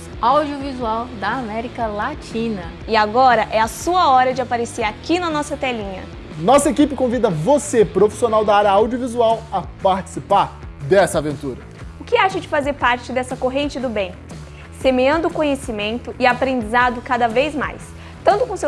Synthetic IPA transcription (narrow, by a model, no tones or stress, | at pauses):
awd͡ʒiʊvizuawd̪ɐːmɛɾikɐlat͡ʃĩnɐ | ɪaɡɔɾɐʔɛasuɐɔɾɐd͡ʒɪapaɾeseɾakinɐnɔsɐt̪ɛlĩɲɐ̰ | nɔsɐekipɪkõvid̪ɐvosepɾofi̥sionawd̪ɐaɾjɐawd͡ʒiovizuawɐpaɾt͡ʃi̥sipaɾd̪ɛsɐavẽnt̪uɾɐ | ʊkɪaʃɐd͡ʒɪfazeɾpaɾt͡ʃɪd̪ɛsɐkoɦẽnt͡ʃɪd̪ʊbẽj̃ | semeɐ̃d̪ʊʊkõɲesimẽnt̪ʊʔɪapɾẽnd͡ʒizad̪ʊkad̪ɐvejzma̰js | t̪ɐ̃nt̪ʊkõse